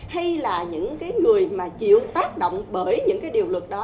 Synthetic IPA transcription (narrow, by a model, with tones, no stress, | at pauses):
ha˧jjlaː˨˩ɲɨ̰˧˥ŋkaː˨˦jŋɨ˨˩əjmaː˨˩t͡ɕḭ˧˨əwt̪aː˦˥k̚ɗo̰˧˨wŋ͡mɓəː˧˩jɲɨ̰˧˥ŋkaː˨˦jɗi˨˩əwlɨ˨˩k̚ɗɔ˨˦